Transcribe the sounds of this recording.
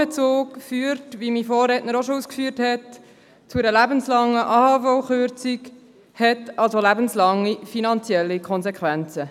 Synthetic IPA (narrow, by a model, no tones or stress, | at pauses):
et͡soːkfyːɾtʋimifoːrɛtnəɾoʃouːskfyːəɾthɛt | t͡suɾəlæbənslɑŋːəʔɑːhɑfɔʊχøɾt͡sik | hɛtɑlsolæbənslɑŋːifinɑnt͡sjɛlːikʰɔnzekʰʋɛnt͡sə